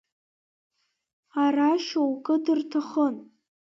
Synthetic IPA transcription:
araʃowkʼɨdɨrtʰaχən

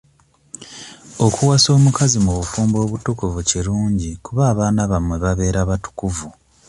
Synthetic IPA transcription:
o̞kʰuwaso̞ːmukazimuβufuːmbo̞ːβutukuvuciɾuːɲɟikuβaːβaːnaβamwe̞βaβe̞ːɾaβatu̥kuvu

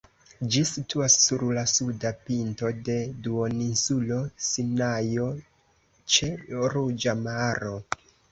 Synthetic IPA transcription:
d͡ʒisitʰuasːuɾlasudapinto̞de̞duoninsulo̞sinajo̞ | t͡ʃe̞ɾud͡ʒamaɾo̞

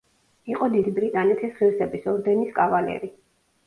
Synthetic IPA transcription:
iqʼɔd̪id̪ibɾit̪ʼanɛt̪ʰɛsʁiɾsɛbisɔɾd̪ɛniskʼavalɛ̰ɾi

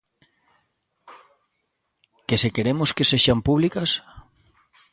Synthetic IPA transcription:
kesekeɾemoskeseʃampuβlikas

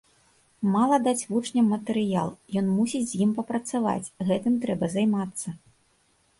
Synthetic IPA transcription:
malˠɐd̪at͡sʲvut͡ʂnʲɐmːɐt̪ɛɾɨjalˠjɔnmusʲid͡zʲzʲjimpɐpɾɐt̪sava̰t͡sʲɣɛt̪ɨmt̪ɾɛbɐzajmat̪sːɐ

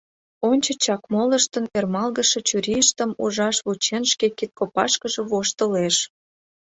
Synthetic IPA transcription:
onʲt͡ɕə̆t͡ɕɑkmoləʃt̪ənermɑlɣəʃĕt͡ɕuɾʲiəʃt̪əmuʒɑʃβut͡ɕenʃkekit̪̚kopɑʃkəʒĕβoʃt̪əleʃ

